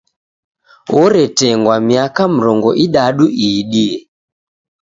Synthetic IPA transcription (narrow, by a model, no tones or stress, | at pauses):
ɔɾɛtɛŋɡwamiakam̩ɾɔŋɡɔʔiɗaɗuiɗiɛ